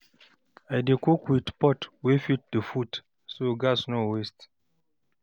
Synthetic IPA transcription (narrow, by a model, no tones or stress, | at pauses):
ajdekokwidpɔtwefit̚dəfut | soɡasnowest